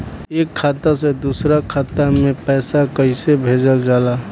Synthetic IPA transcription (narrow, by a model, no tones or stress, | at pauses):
eːkʰːaːt̪ased̪usɾakʰaːt̪amẽpɛːsakəɪsebʱeːd͡ʒəld͡ʒaːla